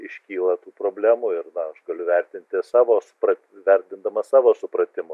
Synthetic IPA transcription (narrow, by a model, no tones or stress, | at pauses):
ɪʃʲkʲiːlˠɐt̪uːpɾoːbʲlʲæːmuːɪɾnɐɐʃɡɐlʲʊʋʲɛɾʲt̪ʲɪnʲt̪ʲɪsɑːʋoːsʊ̥pɾɐt̪ʲʋʲɛɾʲt̪ʲɪnd̪ɐmɐssɑːʋoːsʊpɾɐt̪ʲɪmʊ